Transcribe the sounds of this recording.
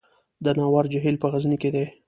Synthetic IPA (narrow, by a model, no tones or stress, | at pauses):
d̪ənɑwɑɾd͡ʒaɦilpəɣazniked̪ej